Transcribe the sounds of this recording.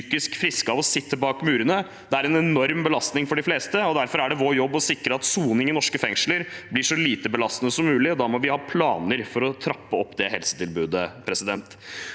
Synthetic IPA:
yːkɪskfɾɪskɑʋɔsɪt̪ːəbɑːkmʉːɾənə | d̪ɛæɾɛnɛnɔɾmbəlɑst̪nɪŋfɔɖɪfleːst̪əɔd̪æɾfɔɾæɖɛʋoːɾjɔbːɔsɪkɾəɑt̪suːnɪŋɪnɔʂkəfɛŋʂləɾblɪʂɔliːt̪əbəlɑst̪nəsɔmːʉːlɪɔd̪ɑːmɔʋɪhɑːpʰlɑ̰ːnəɾfɔɾɔt̪ʰɾɑpːəɔpːd̪ɛhɛlsə̥t̪ʰɪlbʉːd̪əpʰɾɛsɪd̪ɛnt̪

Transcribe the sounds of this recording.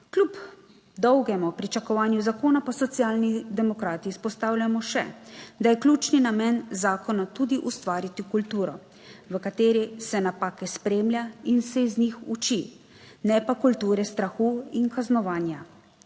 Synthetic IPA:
klʲub | d̪ɔwɡɛmupɾit͡ʃakɔʋaːnjuzakoːnapɔsɔt̪sjaːlnid̪ɛmɔkɾaːt̪iːspɔst̪aːwlʲjamɔʃɛ̰d̪ajɛklʲuːt͡ʃninamɛnzaːkɔnat̪ud̪iʔust̪ʋaːɾit̪ikult̪uːɾɔ | ʋəkat̪eːɾisɛnapaːkɛspɾeːmljainsɛiznixut͡ʃi | nɛpakult̪uːɾɛst̪ɾaxuːinkaznɔʋaːnja

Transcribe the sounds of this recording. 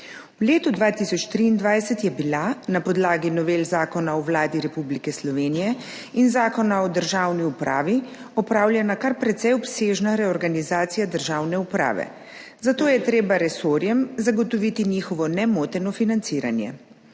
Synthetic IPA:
wleːt̪ud̪ʋaːt̪isɔt͡ʃt̪ɾiːnd̪ʋajsɛt̪jɛbilanapɔd̪laːɡinɔʋeːlzaːkɔnaɔwlaːd̪iɾɛpublikɛslɔʋeːnijɛ | inzaːkɔnaɔd̪əɾʒawniupɾʔa̰ːʋi | ɔpɾaːwlʲjɛnakaɾpɾɛt̪sɛjɔpseːʒnaɾɛɔɾɡanizaːt̪sijad̪əɾʒaːwnɛupɾa̰ːʋɛ̰ | zat̪oːjɛt̪ɾeːbaɾɛsoːɾjɛmzaɡɔt̪ɔʋit̪iniːxɔʋɔnɛmoːt̪ɛnɔfinant̪siːɾa̰njɛ̰

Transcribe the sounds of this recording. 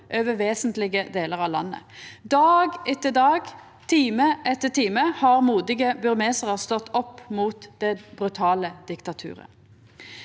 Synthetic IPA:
ʔøːʋəʋeːsənt̪lɪɡəd̪eːləʁɑʋlɑ̰nːə̰d̪ɑːɡɛt̪ːəɖ̪ɑːɡ | t̪ʰiːməʔɛt̪ːəʈ̪ʰiːməhɑʁmuːd̪ɪɡəbʉʁmeːsəʁəst̪ɔt̪ːɔpːmuːt̪d̪ɛbʁʉt̪ʰɑːləd̪̥ɪkt̪ɑt̪ʰʉ̰ːʁə̰

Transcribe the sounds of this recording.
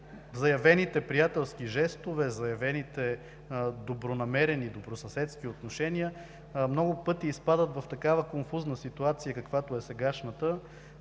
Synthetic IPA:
zɐjɐvɛnit̪ɛpɾijat̪ɛlˠskiʒɛst̪ovɛzɐjɐvɛnit̪ɛ | d̪obɾonɐmɛɾɛnid̪obɾosɐsɛt̪skiot̪noʃɛniə | mnɔɡʊpɤt̪iːspad̪ət̪vɐft̪ɐkavəkonfuznəsit̪uat̪sijəkɐkvat̪oɛsɛɡaʃnət̪ə

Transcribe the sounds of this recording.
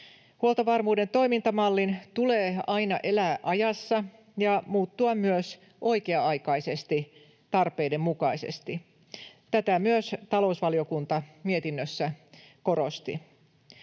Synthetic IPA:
huolt̪ɑʋɑrmuːde̞nt̪o̞imint̪ɑmɑlːint̪uleːɑinɑ̰ʔe̞læːʔɑjɑsːɑ | jɑmuːt̪ːuɑmyøs | ʔo̞jkeɑɑjkɑise̞st̪i | t̪ɑrpe̞jde̞mmukɑisḛst̪i | t̪æt̪æmyøst̪ɑlo̞usʋɑlio̞kunt̪ɑmie̞t̪inːøsːæ | ko̞ɾo̞st̪ḭ

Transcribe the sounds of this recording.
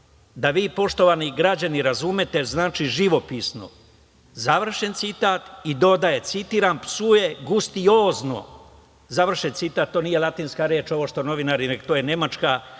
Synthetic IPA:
d̪aʋiːpo̞ʃt̪o̞ʋaniɡɾad͡ʑaniɾazume̞t̪e̞znaːt͡ʃiʒiʋo̞pisno̰ | zaʋr̩ʃe̞nt̪sit̪aːt̪id̪o̞d̪aje̞t̪sit̪iːɾampsue̞ɡust̪ioːzno̞̰ | zaʋr̩ʃent̪sit̪aːt̪̚tːo̞ːnije̞lˠat̪iːnskaɾe̞ːt͡ʃo̞ʋo̞ʃt̪o̞no̞ʋinaɾinekt̪oːjene̞mat͡ʃka

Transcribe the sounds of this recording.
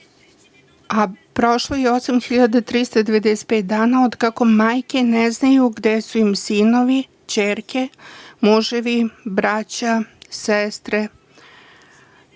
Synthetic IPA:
apɾo̞ʃlˠojeosamxiʎad̪at̪ɾist̪ad̪e̞ʋe̞d̪eset̪̚peːt̪̚d̪aːnaod̪kako̞maːjke̞neznajuɡd̪esuimsino̞ʋi | t͡ɕeːɾke̞muʒeʋibɾat͡ɕasest̪ɾe

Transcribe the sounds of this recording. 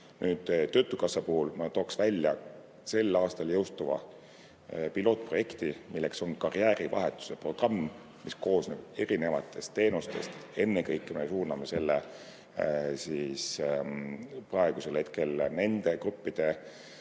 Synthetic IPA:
nʔyːd̪̥ːø̞ːt̪ːˑukɑsːɑpuhulmɑt̪oːksvælʲjɑ | se̞lːɑːst̪ɑljɤwst̪uvɑ̰ | pilo̞ːt̪̚ːˑpro̞jekt̪imilːe̞kso̞nkɑriæːɾivɑ̰ɦe̞t̪ːˑu̥se̞pro̞ɡ̥rɑmː | misko̞ːsneb̥e̞ɾine̞vɑ̰t̪ːˑe̞st̪ːe̞ːnust̪e̞st̪e̞nːekɤjkːˑme̞suːrnɑme̞se̞lːe | siːs | prɑe̞ɡ̥use̞lhe̞t̪ke̞lne̞nd̪̥e̞krupːid̪̥e̞

